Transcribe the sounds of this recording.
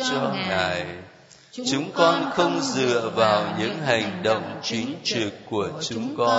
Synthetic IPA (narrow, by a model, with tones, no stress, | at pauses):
t͡ɕɔ˧ŋaː˨˩j | t͡ɕʊ˨˦ŋ͡mkɔ˧nxə˧wŋ͡mzɨ̰˧˨əvaː˨˩wɲɨ̰˧˥ŋɦa˨˩jŋ̟ɗo̰˧˨wŋ͡mt͡ɕi˨˦ŋ̟t͡ɕɨ˨˩kːu˧˩ət͡ɕʊ˨˦ŋ͡mkɔ˧